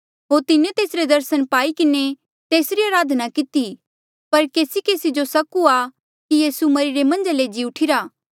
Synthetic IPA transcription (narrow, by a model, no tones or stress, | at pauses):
ɦoːɾt̪ɪnet̪eːsɾed̪ɐɾsənpaːikɪne | t̪eːsɾiaːɾaːd̪ʱnakɪt̪i | pɐɾkeːsikeːsid͡ʒosɐkua | kijiːsumɐɾiɾemɐ̃nd͡ʒaled͡ʒiʊʈʰiɾaː